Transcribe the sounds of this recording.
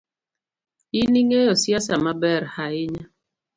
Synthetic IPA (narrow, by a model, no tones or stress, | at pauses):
iniŋeɔsjasamabɛɾhaɪɲa